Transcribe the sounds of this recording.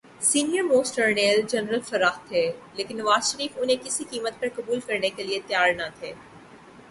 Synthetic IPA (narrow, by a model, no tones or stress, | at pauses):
siːnijəɾmoːsʈəɾneːld͡ʒɛnɾəlfɐɾaːxt̪ʰːeːleːkɪ̃nːɐʋaːzʃəɾiːfʊnɦẽkɪsikiːmət̪̚pɐɾkɐbuːlkɐɾnekeliet̪jaːɾnat̪ʰeː